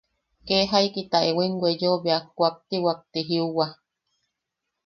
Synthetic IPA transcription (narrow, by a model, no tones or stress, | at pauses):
keɦaikit̪aʔewiŋɡʷwejoβeakʷak̚t̪iwak̚t̪iɦiuwa